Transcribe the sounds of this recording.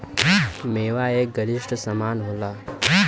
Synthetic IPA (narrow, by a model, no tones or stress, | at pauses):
meːʋaːeːɡɐlɪʃʈsɐmaːnɦoːlaː